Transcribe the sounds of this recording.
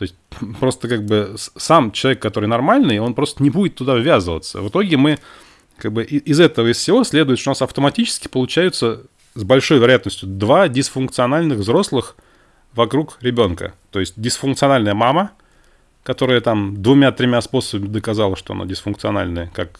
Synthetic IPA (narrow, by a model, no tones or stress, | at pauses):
t̪o̞ɪsʲt̚ʲpɾo̞st̪əkaɡ̚bɨssamt͡ɕɪlˠɐvʲekːɐt̪o̞ɾɨjnɐrmalʲnɨjo̞npɾo̞st̪ənʲɪbudʲɪt̪ːʊd̪avvʲazɨvə̰t̪sːə̰vɨt̪o̞ɡʲɪmɨ | kaɡ̚bɨʔɪʔɪzɛt̪əvəɪsfsʲɪvo̞sʲlʲed̪ʊjɪt̪ʂt̪oʊnasɐft̪əmɐtʲit͡ɕɪ̥skʲɪ̥pəlˠʊt͡ɕæjʊt̪sə | zbɐlʲʂo̞jvʲɪɾɐjat̪nəsʲtʲjʊd̪vadʲɪsfʊnkt̪sɨɐnalʲnɨɣvzɾo̞slˠɨx | vɐkɾukɾʲɪbʲo̞nkə̰t̪o̞jɪsʲt̚ʲdʲɪsfʊnkt̪sɨɐnalʲnəjəmamə | kɐt̪o̞ɾəjət̪amd̪vʊmʲat̪ɾʲɪmʲaspo̞səbəmʲɪd̪əkɐzalˠəʂt̪oɐ̰na̰dʲɪsfʊnk̚t̪sɨɐna̰lʲnəjəkak